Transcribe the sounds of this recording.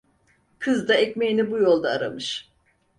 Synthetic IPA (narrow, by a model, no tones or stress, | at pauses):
kʰɯzd̪aɛcmejinibujo̞lˠd̪aːɾa̰mɯʃ